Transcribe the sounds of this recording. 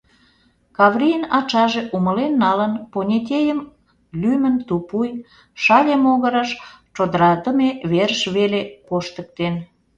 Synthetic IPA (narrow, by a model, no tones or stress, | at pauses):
kɑvrijənɑt͡ʃɑʒeʔuməlenːɑlənponʲet̪̬ʲejəm | lymənt̪upuj | ʃɑlʲemoɣəɾəʃt͡ʃod̪əɾɑd̪əmeβerəʃβelekoʃt̪ək̚t̪en